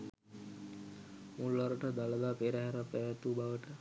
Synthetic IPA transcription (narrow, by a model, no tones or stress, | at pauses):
mulaɾəʈəd̪aləd̪aːpeɾəɦɛɾəpɛʋat̪ubaʋəʈə